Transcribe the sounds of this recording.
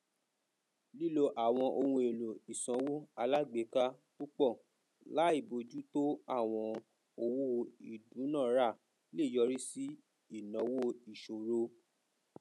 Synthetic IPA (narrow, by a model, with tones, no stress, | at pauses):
li˦lo˧ʔa˨w̃ɔ̃˧ʔo˧wũ˧e˨lo˨i˨sã˨˧˦wo˦a˧la˦ɡ͡be˨˦ka˦ | ku˦k͡pɔ˦˨ | la˨˦i˦˨bo˨˧d͡ʒu˦to˦a˦˨w̃ɔ̃˧ | o˧wu˦i˨dũ˨˦nã˦˨˦ɾa˦˨ | le˦˨jɔ˧ɾi˦si˦ | i˦˨nɔ̃˨˦wo˦i˨ʃo˨ɾo˧